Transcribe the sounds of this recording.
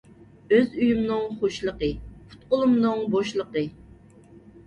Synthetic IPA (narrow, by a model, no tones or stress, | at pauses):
øzyjumnɨŋχoʃlˠəqəpʰʊ̥t̪̚qʊlˠumnɨŋboʃlˠəqə